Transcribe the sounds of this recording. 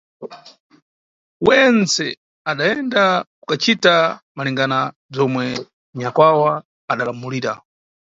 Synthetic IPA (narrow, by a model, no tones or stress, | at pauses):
wɛnt͡sɛ | aɗaɛndakukat͡ʃitamaliŋɡana | b͡ʐɔmwɛ | ɲakwawa | aɗalamuliːɾa̰